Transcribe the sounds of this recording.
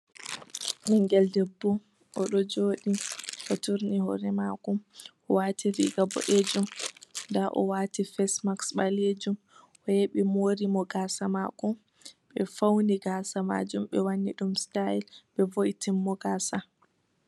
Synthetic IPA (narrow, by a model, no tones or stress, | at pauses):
niŋɡɛldɛbːɔ | ʔɔɗɔd͡ʒoːɗiʔɔtuɾnihɔ̰ɾɛmakɔmʔɔwaːtʰivḭɡabɔ̰ʔed͡ʒumndaʔɔ̰waːtifɛsmaksɓaled͡ʒum | ʔɔjeɓimoɾimɔɡaːsamakɔ | ɓɛfawniɡaːsama̰d͡ʒumɓɛwanːiɗumstailɓɛvojtimːɔɡaːsa